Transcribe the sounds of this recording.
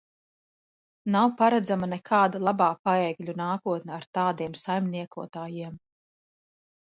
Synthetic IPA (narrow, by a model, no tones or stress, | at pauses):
nawpaɾad̪zamanɛkʰaːd̪alˠabaːpaɛːɡlʲunaːkuɔt̪nɛaɾt̪aːd̪iɛmsajmʲnʲiɛkuɔt̪aːjiɛm